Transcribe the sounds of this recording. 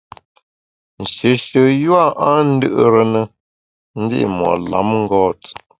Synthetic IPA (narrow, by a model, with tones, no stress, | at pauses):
n̩˨ʃə˨ʃə˨jwa˦˨ʔa˦n̩˦dɨ˦ʔə˦ɾə˨nə˨ | n̩˦di˦ʔḭ˨mɔ̰˨ʔla̰˨˦mŋ̩˦ɡɔː˦˨t͡s